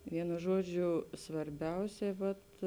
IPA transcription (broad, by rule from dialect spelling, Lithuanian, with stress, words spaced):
ˈʋʲiɛnʊ ˈʒuɔˌd͡ʒʲʊ sʋɐrʲˈbʲɛʊsʲɛɪ ˈʋɐt